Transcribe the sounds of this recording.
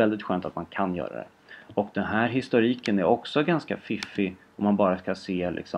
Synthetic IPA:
ɛld̪ɪt̪ɧœːnt̪at̪mankʰanjœ̰ːɾa̰d̪ɛ̰ | ɔkd̪ɛnɦæːɾɦɪst̪ʊɾiːkənæɾɔksɔɡanskafɪfːɪ | ɔmːanbɑːɾaskaseːlɪ̰ksɔ

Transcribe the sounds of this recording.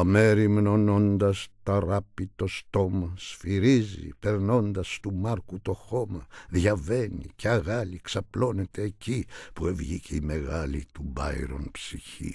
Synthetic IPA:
ɐme̞ɾimno̞no̞nd̪ɐst̪ɐɾɐpit̪o̞st̪o̞mɐsfiɾizḭpe̞ɾno̞nd̪ɐst̪umɐɾkut̪o̞xo̞mɐðʝɐve̞nḭceɐɣɐliksɐplo̞ne̞t̪e̞ːcipue̞vʝiceime̞ɣɐlḭt̪ubɐ̰jɾo̞̰npsiçḭ

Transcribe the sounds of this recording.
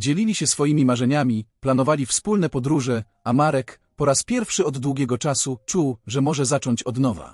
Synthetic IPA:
d͡ʑelʲilʲiɕɛsfɔjimʲimaʐɛɲamʲiplanɔvalʲifspulnɛpɔd̪ɾuʐɛ | amaɾɛk | pɔɾaspʲjɛɾfʂɘɔd̪ːwuɡʲɛɡɔt͡ʂasut͡ʂuwʐɛmɔʐɛzat͡ʂɔɲt͡ɕɔd̪nɔva̰

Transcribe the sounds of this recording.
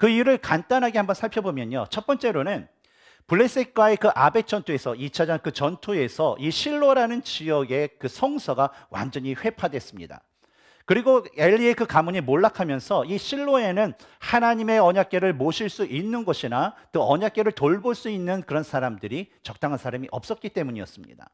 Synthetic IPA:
kɯiɾɯɭkant͈anɦaɡehambʌnsʰaɭpʰjʌbomjʌɲot͡ɕʰʌt̚p͈ʌnt͡ɕ͈e̞ɾonɯn | puɭːes͈ik̚k͈waekɯʔabe̞k̚t͡ɕ͈ʰʌntʰue̞sʰʌit͡ɕʰad͡ʑaŋkɯt͡ɕʌntʰue̞sʰʌʔiɕʰiɭːoɾanɯnt͡ɕijʌɡe̞kɯsʰʌŋsʰʌɡa | wʔa̰nd͡ʑʌɲiɸwe̞pʰadwe̞s͈ɯmɲḭda̰ | kɯɾiɡoe̞ʎːie̞kɯkamuɲimoɭːakʰamjʌnsʰʌiɕʰiɭːoe̞nɯn | hanaɲime̞ʌɲak̚k͈e̞ɾɯɭmoɕʰiɭs͈uʔinːɯnɡʌɕʰinakoʌɲak̚k͈e̞ɾɯɭtoɭboɭs͈uinːɯnkɯɾʌnsʰaɾamdɯɾit͡ɕʌk̚t͈aŋɦansʰaɾamiʔʌp̚s͈ʌk͈̚it͈e̞muɲijʌ̰s͈ɯmɲḭda̰

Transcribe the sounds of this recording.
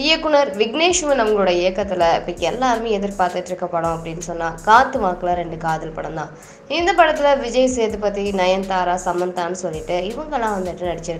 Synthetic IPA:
ɪjɐkːʊɳɐɾʋɪɡneːʂʋɐnɐmɐɡɐɭɯːɽɐjɐɪjɐkːɐt̪ːɪlɐɪpːɐkːɛlːaːɾmeːɛðɪɾpaːɾt̪ɪʈːɪɾɯkːɐpːɐɽõːɐpːɐɽɪnːɯsɔnːaːkaːt̪ːɯʋaːkɐlɐɾɛɳɖɯkaːðɪlpɐɽɐmd̪ãː | ɪnd̪ɐpɐɽɐt̪ːɪlɐʋɪd͡ʒɐjɐseːðɯpɐt̪ːinɐjɐnt̪aːɾaːsɐmbɐnd̪ãːnːɯsɔlːɪʈːɯɪʋɐŋɡɐlːãːʋɐnd̪ɯʈːɯnɐɽɪt͡ʃːɪɾɯkːɯ

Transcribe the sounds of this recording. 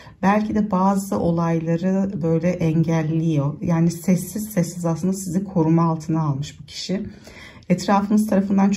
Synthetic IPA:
bælʲcʰid̪ɛbaːzɯʔo̞lˠajlˠaɾɯbø̞jlʲɛʔɛɲɟælʲːijo̞jaːnisɛsːiz̥sɛsːizaslˠɯnd̪asizikʰo̞ɾumaalˠt̪ʰɯnaːlˠmɯʃbucʰi̥ʃi | ɛt̪ɾaːfɯmɯz̥t̪ʰaɾafɯnd̪ant͡ʃʰ

